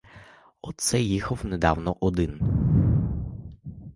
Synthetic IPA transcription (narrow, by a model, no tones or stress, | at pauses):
ɔt̪sɛjixɔwnɛd̪awnɔʔɔd̪ɪn